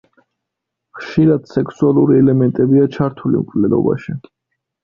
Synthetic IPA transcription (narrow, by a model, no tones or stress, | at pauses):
χʃiɾad̪̥sɛkʰsualˠuɾiɛlɛmɛnt̪ʼɛbiat͡ʃʰaɾt̪ʰulḭmkʼʰvlɛd̪ɔ̰ba̰ʃi